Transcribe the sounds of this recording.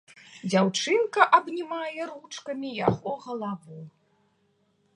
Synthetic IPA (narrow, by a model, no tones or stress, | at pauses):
d͡zʲawt͡ʂɨnkɐʔɐbnʲimajɛɾut͡ʂkɐmʲijaɣɔɣɐlˠavu